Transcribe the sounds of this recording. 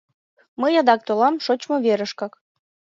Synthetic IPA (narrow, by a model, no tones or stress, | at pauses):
məjɑd̪ɑk̚t̪olɑmʃot͡ɕmŏβeɾə̆ʃkɑk